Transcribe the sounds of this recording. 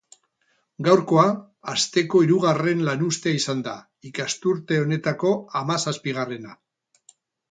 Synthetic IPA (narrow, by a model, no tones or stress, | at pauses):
ɡawɾko̞aː | st̪e̞ko̞iɾuɣ̞are̞nlanust̪eaisand̪a̰ | ikast̪uɾt̪e̞o̞ne̞t̪ako̞amasaspiɣ̞are̞na